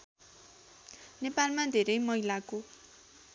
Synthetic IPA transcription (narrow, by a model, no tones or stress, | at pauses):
nepalmad̪ʱeɾʌjmʌɦilako